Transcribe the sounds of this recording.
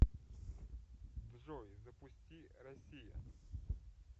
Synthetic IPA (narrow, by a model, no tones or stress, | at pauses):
vʐɔjzɐpʊsʲtʲiɾɐsʲija̰